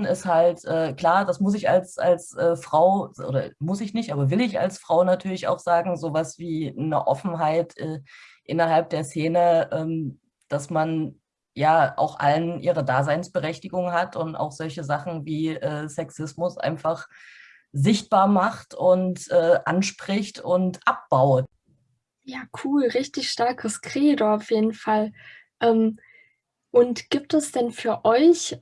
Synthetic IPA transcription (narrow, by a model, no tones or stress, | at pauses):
nɪsthaltʔɛːkl̥aːɐdasmʊs̬ɪça̰lsa̰lsʔɛːfʁ̥aʊʔo̰ːdɐ̰mʊsɪçnɪçtʔaːbɐvɪlɪça̰lsfʁ̥aʊnatʰyːɐlɪça̰ʊxz̥aːɡŋ̩zoːvasv̥iːnə̰ʔɔfn̩ɦaɪtʰʔɛːʔɪnɐɦalp̚d̥eːɐseːnəʔɛːm | d̥asman | jaːʔa̰ʊxʔa̰lənʔḭːʁədaːzaɪnsb̥əʁɛçtɪɡʊŋɦatʰʊnta̰ʊxz̥ɔlçəzaχn̩viːʔɛːsɛksɪsmʊsʔa̰ɪnfaχ | zɪçt̚b̥aːɐmaχtʊntʔɛːʔanʃpʁ̥ɪçtʊntʔap̚b̥aʊt | jaːkʰuːlʁɪçtɪçʃtaɐkʰəskʁ̥eːdoaʊfjeːdn̩fal | ʔɛːm | ʔʊntɡ̥iːp̚tɛsd̥ɛnfyːɐʔɔʏç